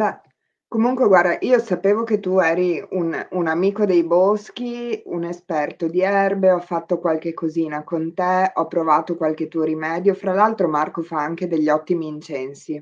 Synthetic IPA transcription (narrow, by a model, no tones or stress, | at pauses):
a | komuŋkweɡward̪aʔiːosapeːvoket̪ːuɛːɾiununamiːkod̪ejbɔsk̟iunespɛrt̪od̪iɛrbeɔfːat̪ːokwalk̟ekːoziːnakont̪eɔpːɾovaːt̪okwalket̪ːuoɾimɛːd̪jofɾalalt̪ɾomarkofaaŋk̟ed̪eʎːɔt̪ːimiːnt͡ʃɛnsi